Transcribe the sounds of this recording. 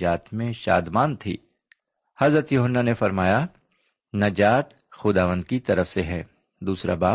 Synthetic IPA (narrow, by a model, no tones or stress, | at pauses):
aːt̪mẽʃa̰ːd̪maːnt̪ʰḭː | hɐzɾət̪juːɦənːanefɐɾmaːja | nɐd͡ʒaːt̪ | xʊd̪aːʋə̃nd̪kit̪ɐɾəfseɦɛː | d̪uːsɾa̰baː